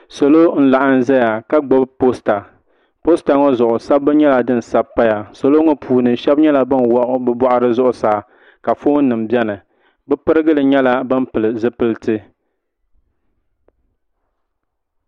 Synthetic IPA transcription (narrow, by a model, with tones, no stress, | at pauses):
so˨lo˦n̩˦la˨ʔa˦n̩˦zɛ˦ja˨ka˦ɡ͡bɔ˦bpo˦sta˨ | po˦sta˨ŋɔ˦zʊ˨ʔʊ˨sa˦bːɨ˦ɲɛ˦la˨dɨ˦n̩˨sa˦bpːa˦ja˨so˨lo˦ŋɔ˦pʰuː˨nɨ˨ʃɛ˦bɲɛ˦la˨bɨ˦nwɔ˦ʔʊ˦bɨ˦bɔ˦ʔʊ˦ɾɨ˦zʊ˦ʔʊ˨saː˨ | ka˨fo˦n˦nːɨ˨m̩˨bɛ˦nɨ˨ | bɨ˦pɨ˦ɾɨ˦ɡɨ˦lɨ˨ɲɛ˦la˦bɨ˦m˦pɨ˨lɨ˨zɨ˦pɨ˦ltɨ˦